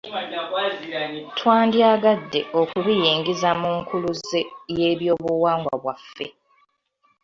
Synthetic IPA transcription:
tʰwaːndjaːɡadːe̞ʔo̞kuɾijiːŋɡizamuŋkʰuluzeje̞ːβjo̞ːβuwaːŋɡwa̰βwafːe̞̰

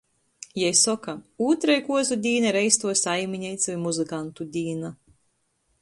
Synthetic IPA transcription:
jɛjsɔkauːt̪ɾajkuɔzud̪ʲiːnaɾɛjst̪uɔsajmʲiɲɛjt̪sʲɔjmuzɨkant̪ud̪ʲiːna

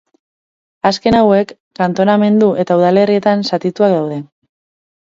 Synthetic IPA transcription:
aske̞nawe̞kːant̪o̞name̞nd̪uʔe̞t̪auðale̞rie̞t̪ansat̪it̪uakðawð̞e̞

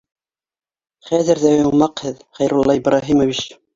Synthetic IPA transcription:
χæzɘ̆ɾðæjoɴmɑqhɘðχæjɾulˠːɑɪbɾʔɑɦimoβiʃ

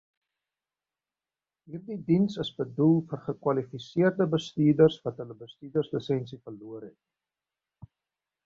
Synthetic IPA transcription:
ɦiːrdidinsəsbədulˠfərχəkwɐlifisiərdəbəstiːdərsvɐtɦələbəstyːdərsləsɛnsifərluərɦɛt̚

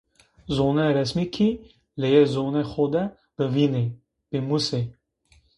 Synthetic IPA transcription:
zonɛɾɛsmikʰi | lɛjɛzonɛxod̪ɛ | b̥əvine | b̥emuse

